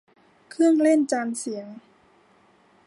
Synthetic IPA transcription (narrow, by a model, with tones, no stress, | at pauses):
kʰɯ˥˩əŋle˥˩˨nt͡ɕaː˧msi˨˩˦əŋ